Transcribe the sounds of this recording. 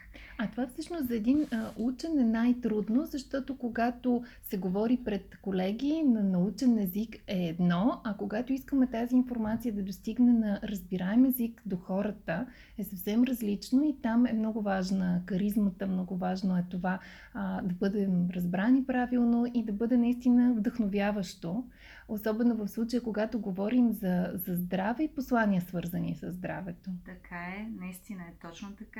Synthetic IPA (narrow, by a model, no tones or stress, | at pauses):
ɐt̪ovafsɤʃnost̪zɐɛd̪inut͡ʃɛnɛnajt̪ɾud̪nozɐʃt̪ɔt̪okoɡat̪osɛɡovɔɾipɾɛt̪kolɛɡʲiːnɐnɐut͡ʃɛnɛzikɛːd̪nɔɐkoɡat̪oiskəmɛt̪aziːnfoɾmat̪sijəd̪ɐd̪ost̪iɡnɛnɐɾəzbiɾaɛmɛzikd̪oxɔɾət̪ə | ɛsɐfsɛmɾəzlit͡ʃnoit̪amɛmnɔɡʊvaʒnəkɐɾizmət̪əmnɔɡʊvaʒnoɛt̪ova | d̪ɐbɤd̪ɛmɾɐzbɾanipɾavilˠnoʔid̪ɐbɤd̪ɛnɐist̪inəvd̪əxnovʲjavəʃt̪o | osɔbɛnovəfslˠut͡ʃəjəkoɡat̪oɡovɔɾimzɐzɐzd̪ɾavɛiposlˠanʲiəsvɤɾzənḭsəzd̪ɾa̰vɛt̪ot̪ɐkʰaɛnɐist̪inəɛt̪ɔt͡ʃnot̪ɐka